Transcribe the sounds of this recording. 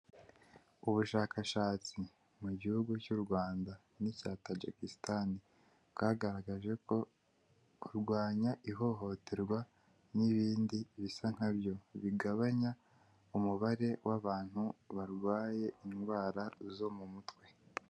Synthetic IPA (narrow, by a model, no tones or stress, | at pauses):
uβuʃaːkaʃaːt͡si | muɟihuɡucuɾɡwaːnda | nicaːtad͡ʒa̰kistani | bɡaːɡaɾaɡaʒe̞ko̞ | uɾɡwaːɲaʔiɦo̞ɦo̞tʰe̞ɾɡwa | niβiːndiβisaŋ̥habjo̞βiɡaβaɲa | umuβaɾe̞wʔaβaːn̥huβaɾɡwaːje̞inɡwaːɾazo̞mumutwe̞